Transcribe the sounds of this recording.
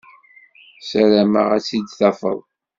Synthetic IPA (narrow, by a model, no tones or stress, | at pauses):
sæɾæmə̰ʁæt͡sːid̪θɑfə̰ðˤ